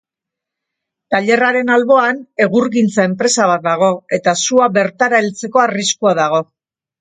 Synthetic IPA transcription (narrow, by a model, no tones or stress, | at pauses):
t̪aʎe̞raɾe̞nalβo̞ane̞ɣuɾɣint͡sae̞mpɾe̞saβ̞at̪̚d̪aɣ̞o̞e̞t̪asuaβe̞ɾt̪aɾaelt͡se̞ko̞ariskuaðaɣ̞o̞